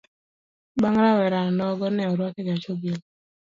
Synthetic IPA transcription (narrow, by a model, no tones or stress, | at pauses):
baŋɾawɛɾanɔɡɔnɛɔɾwɔt̪ɛɡat͡ʃoɡel